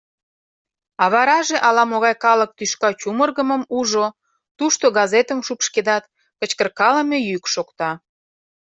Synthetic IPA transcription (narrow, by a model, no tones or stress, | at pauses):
ɑβɑɾɑʒeʔɑlɑmoɣɑjkɑlək̚t̪yʃkɑt͡ɕumərɣəməmuʒo | t̪uʃt̪oɣɑzet̪əmʃupʃked̪ɑt̪ | kət͡ɕkərkɑləmejykʃokt̪ɑ